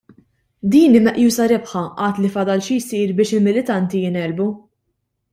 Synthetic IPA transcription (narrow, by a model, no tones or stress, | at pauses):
d̪iːnɪmɛʔjuːsɐɾɪpħɐʔɐːt̪lifɐd̪ɐlʃijsiːɾbɪːʃɪlmɪlɪt̪ɐnt̪ijɪnɛlbu